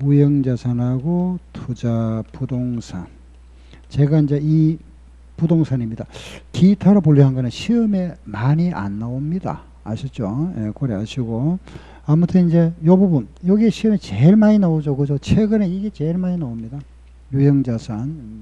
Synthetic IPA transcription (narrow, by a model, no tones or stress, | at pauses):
mujʌŋd͡ʑasʰanaɡotʰud͡ʑapudoŋsʰa̰n | t͡ɕe̞ɡaind͡ʑe̞i | pudoŋsʰanimɲidakitʰaɾapoʎːiɦanɡʌnɯnɕʰiɯme̞maɲiʔa̰nːaomɲida̰ː | ɕʰit͡ɕ͈ojḛkʌɾiaɕʰiɡo | amutʰɯind͡ʑe̞jʌbubunjʌɡieɕʰiɯmet͡ɕeɭmaɲinaod͡ʑokɯd͡ʑot͡ɕʰe̞ɡɯneiɡe̞t͡ɕe̞ɭmaɲinaomɲida | jujʌŋd͡ʑasʰan